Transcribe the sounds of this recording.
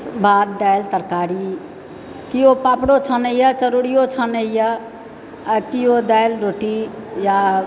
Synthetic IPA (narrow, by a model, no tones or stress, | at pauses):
bʱad̪̚d̪ajlt̪əɾkaɾi | kiopapɽot͡ʃʰənəjjət͡ʃəɾuɽijot͡ʃʰənəjə | kiod̪ajlɾoʈija